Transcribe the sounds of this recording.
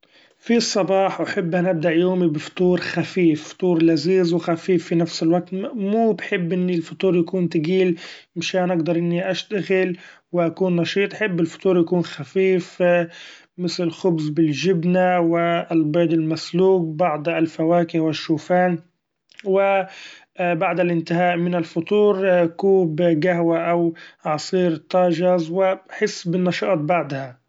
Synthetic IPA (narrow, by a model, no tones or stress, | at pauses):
fisˤːɑbɑːħwaħɪbːʔanːʔab̚d̪aʔjoːmibɪft̪ˤuːɾxafiːfft̪ˤuːɾlaziːzwɪxafiːfːinafsɪlwaɡ̚t̪muːbħɪbːʔɪnːilfʊt̪ˤuːɾjakuːnt̪aɡiːl | mɪʃaːnʔaɡd̪ɑɾˤʔɪnːiʔaʃt̪aɣɪlwɪʔakuːnːɑʃiːt̪ˤʔaħɪbːɪlfʊ̥t̪ˤuːɾjakuːnxafiːf | mɪθlɪlxʊbzbɪlʒɪbnawɪlbeːd̪ɪlmasluːk̚bɑʕd̪ˤalfawaːkɪhwɪʃːuːfaːn | wɪ | baʕd̪alʔɪnt̪ɪɦaːʔmɪnɪlfʊt̪ˤuːɾkuːbɡaɦwaʔawʕɑsˤiːɾt̪ˤːɑːʒɑzwɪbħɪsːbɪnːɑʃɑʔt̪̚baʕd̪ha